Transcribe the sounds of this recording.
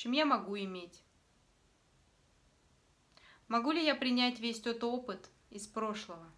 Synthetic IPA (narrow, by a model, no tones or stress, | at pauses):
t͡ɕɪmjamɐɡuɪmʲetʲ | mɐɡulʲɪjapɾʲɪnʲætʲvʲesʲt̪o̞t̪opɨt̪ | ɪspɾo̞ʂlˠəvə